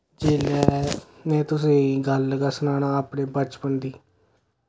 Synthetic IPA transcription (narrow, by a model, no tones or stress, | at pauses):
d͡ʒeːlɛːneːt̪ʊs̬ẽːɡələɡaːsənaːnaːaːpneːbət͡ʃpənd̪iː